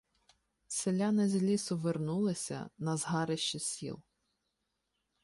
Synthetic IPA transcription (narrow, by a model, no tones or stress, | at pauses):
selʲanɛzʲlʲisʊʋernulˠɪsʲɐ̰nɐzɦɑɾɪʃt͡ʃɪsʲḭlˠ